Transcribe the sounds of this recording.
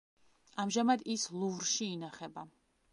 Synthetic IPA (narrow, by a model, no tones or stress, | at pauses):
amʒamad̪islˠuvɾʃiːnaχɛba